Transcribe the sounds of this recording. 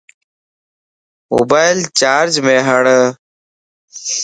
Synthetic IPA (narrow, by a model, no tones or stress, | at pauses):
mo̰ːbaːjlt͡ɕaːɾd͡ʑmẽːɦəɳ